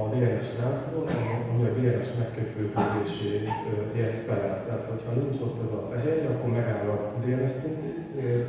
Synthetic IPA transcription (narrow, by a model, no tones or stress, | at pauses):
ɒd̪eːɾnɛʃlaːt̪sɒd̪ot̪ɒzɒmiɒd̪eːɾɛʃmɛkːøt̪øːzød̪eːʃeːeːrt̪fɛlɛlt̪ɛɦaːt̪ho̞chɒnint͡ʃo̞t̪ːɛzɒfɛɦeːɾɒkːoɾmɛɡaːɾɒd̪eːɾɛʃsint̪eːt̪e